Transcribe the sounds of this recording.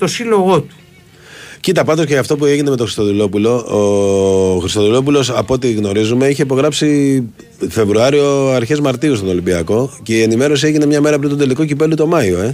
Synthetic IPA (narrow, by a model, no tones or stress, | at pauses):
t̪o̞silo̞ɣo̞t̪u̥ | cit̪ɐpɐnd̪osceɐft̪o̞p̬ue̞ʝine̞met̪oɾist̪o̞ðilo̞pulo̞o | xɾist̪oðilo̞p̬ulo̞sɐpo̞t̪iɣno̞ɾizume̞içeipo̞ɣɾɐpsi | fe̞vɾuɐɾio̞ɐɾçe̞zmɐɾt̪iust̪o̞no̞limbiɐko̞ce̞ie̞nime̞ɾo̞sieʝine̞mɲɐme̞ɾɐpɾint̪d̪e̞liko̞cipe̞lut̪o̞mɐioe̞